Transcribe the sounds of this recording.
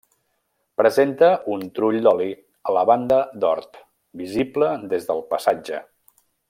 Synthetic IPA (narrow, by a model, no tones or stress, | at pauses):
pɾəzent̪əʔunt̪ɾuʎd̪ɔli | ələβand̪əd̪ɔ̰ɾt̪ | bizibləd̪ezðəlˠpəsad͡ʒə̰